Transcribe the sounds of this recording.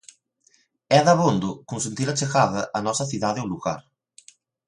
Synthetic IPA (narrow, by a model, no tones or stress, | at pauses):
ɛðɐβond̪ʊkunsent̪iɾat͡ʃexaðɐʔanɔsɐθiðaðeuluɣa̰ɾ